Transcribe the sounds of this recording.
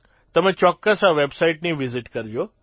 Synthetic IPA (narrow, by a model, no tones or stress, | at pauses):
t̪əm̤ãt͡ɕɔkːəsɦaʋebsaiʈnĩʋiziʈkəɾd͡ʒo